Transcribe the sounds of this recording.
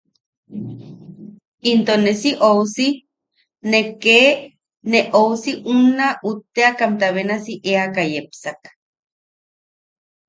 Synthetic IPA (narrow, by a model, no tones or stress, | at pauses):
int̪onesiʔowsi | neke | neʔowsiʔunːaʔut̪ːeakamt̪aβenasiʔeakajepsak